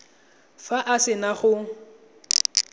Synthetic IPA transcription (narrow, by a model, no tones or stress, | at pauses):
faʔasɪnaχʊ